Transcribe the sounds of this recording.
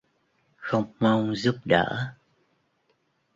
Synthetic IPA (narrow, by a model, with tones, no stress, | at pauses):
xə˧wŋ͡mma˧wŋ͡mzu˦˥p̚ɗə̰ː˧˩˥